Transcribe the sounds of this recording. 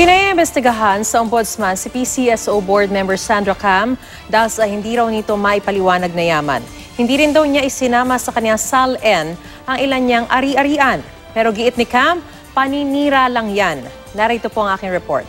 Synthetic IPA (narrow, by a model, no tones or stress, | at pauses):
pɪnɐɪmbɛst̪ɪɡɐɦansɐʔombod̪smansɪpisiʔɛsʔowboɹd̪̚mɛmbɛɹsand̪ɾɐkam | d̪aːhɪlsɐhɪnd̪iːɾɐwnɪt̪o̞mɐʔɪpɐlɪwaːnɐɡ̚nɐjaːmɐ̰n | hɪnd̪iːɾɪnd̪ɐwɲaʔɪsɪnaːmɐsɐkɐnɪjasalʔɛn | ʔɐŋʔɪlanɲaŋʔɐɾiʔɐɾiːʔɐn | pɛːɾo̞ɡɪʔɪt̪nɪkam | pɐniniːɾalɐŋjanː | aɾɐʔɪt̪o̞poɐŋʔaːkɪŋɹɛpo̞̰ɹt̪̚